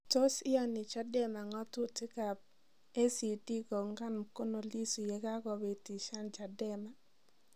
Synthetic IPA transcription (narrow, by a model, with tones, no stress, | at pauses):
to˦sɪ˦ɔ˦ni˨t͡ʃa˦dɛ˦ma˨ŋɔ˦tu˦ti˦ka˨ | e˦si˨ti˦ko˨ŋɡa˦nko˦no˨li˦su˨je˨ɡa˦kɔ˨we˨ti˨ʃa˦nt͡ʃa˨dɛ˦ma˨